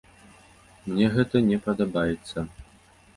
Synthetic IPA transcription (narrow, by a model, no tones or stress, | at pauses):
mnʲɛɣɛt̪ɐnʲɛpɐd̪ɐbajɛt̪sːɐ